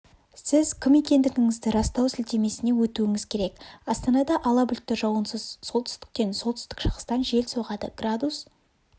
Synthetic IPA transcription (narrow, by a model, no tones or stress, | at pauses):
sɪzkʲʰɪme̞kʲe̞nd̪ɪɡʲɪŋɪzd̪ɪɾɑst̪ɑwsɪlt̪e̞me̞sɪne̞wɵt̪uɪŋɪz̥kʲʰe̞ɾe̞kɑst̪ɑnɑd̪ɑʔɑlˠɑbʏlt̪ːɪʒɑwənsəzso̞lˠt̪ʰʏ̥st̪ɪ̥k̚t̪e̞nsolt̪ʰʏst̪ɪ̥kʃəʁə̥st̪ɑnʒe̞lso̞ʁɑd̪ə̰ɡrad̪us